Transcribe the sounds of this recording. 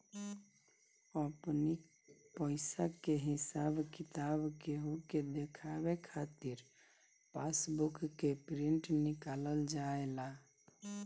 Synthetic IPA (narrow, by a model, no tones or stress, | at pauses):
əpni | pəɪsakeɦisabkit̪abkeɦuked̪ekʰabekʰat̪iɾ | pasbukːepɾiɳʈnikaləld͡ʒaela